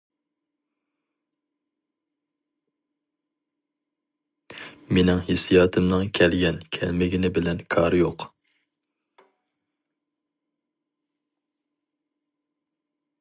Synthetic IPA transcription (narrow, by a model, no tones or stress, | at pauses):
menɪŋhɪsijɑːt̪ʰɨmnɨŋkʲʰɛlɡʲɛnkʲʰɛ̰lmɪɡʲinɪbɪlɛnkʰɑɾjoq